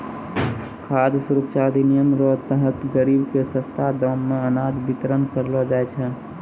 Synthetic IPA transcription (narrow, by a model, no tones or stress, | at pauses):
kʰaːd̪suɾukt͡ʃaːd̪ʱinijəmɾɔt̪əɦət̪ɡəɾiːbkesə̃st̪ʰad̪ɔmːẽənaːd̪bɪt̪ɾənkəɾlɔd͡ʒaːet͡ʃʰɛ